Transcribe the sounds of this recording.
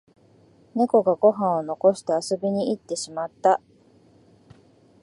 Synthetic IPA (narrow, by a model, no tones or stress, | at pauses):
ne̞ko̞ɡaɡo̞ɦãɰ̃o̞no̞ko̞ɕi̥t̪e̞aso̞bʲiɲ̟iit̪ːe̞ɕimat̪ːa